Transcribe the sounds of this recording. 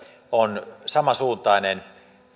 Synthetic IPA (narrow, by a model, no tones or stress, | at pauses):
onsɑmɑsuːnt̪ˑɑinen